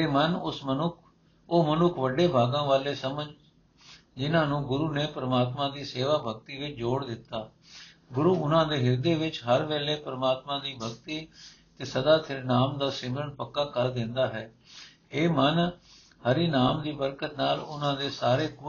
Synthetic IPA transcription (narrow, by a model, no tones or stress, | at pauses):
eːmənʊsmənʊkʰ | oːmənʊkʰʋəɖeːbʱaːɡãːʋaːleːsəməd͡ʒ | d͡ʒɪnãːnũːɡʊɾuːneːpəɾəmaːt̪mãːd̪iːseːʋaːbʱək̚t̪iːʋɪt͡ʃd͡ʒoːɽd̪ɪt̪ːaː | ɡʊɾuːʊnãːd̪eːɦɪɾd̪eːʋɪt͡ʃɦəɾʋɛːleːpəɾəmaːt̪mãːd̪iːbʱəkt̪iː | t̪eːsəd̪aːt̪ʰɪɾnaːmd̪aːsɪməɾəɳpəkːaːkəɾd̪ɪ̃nd̪aːɦɛː | eːmən | həɾiːnaːmd̪iːbəɾkət̪naːlʊ̰nãːd̪eːsaːɾeː